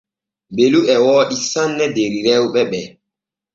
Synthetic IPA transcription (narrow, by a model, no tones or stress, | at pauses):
beluʔɛwɔːɗisanːɛdeɾiɾɛwɓɛɓɛ